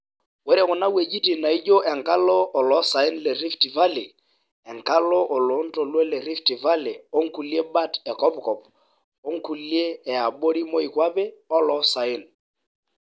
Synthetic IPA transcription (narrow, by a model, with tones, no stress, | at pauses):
wɛ˦ɾɛ˦˨kʊ˨na˦we˨d͡ʒi˦ti˨na˨i˦d͡ʒo˦ʔɛ˨ŋka˦lɔ˦ʔːlɔ˨˦sa˨ɪ˦nlɛ˨ɾi˦fti˨va˦li˨ | ɛ˨ŋka˦lɔ˦ʔɔ˨lɔ˨˦n̩˦tɔ˨lwɛ˦lɛ˨ɾi˦fti˨va˦li˨o˦ŋ˦ku˨lje˦ba˦tɛ˨kɔ˦pkɔ˨p̚ | o˦ŋku˨ljeː˦˨a˨ɓo˦ɾi˦mo˦i˨kwa˦pɛ˦ɔ˦lɔ˨sa˨ɪ˦˨n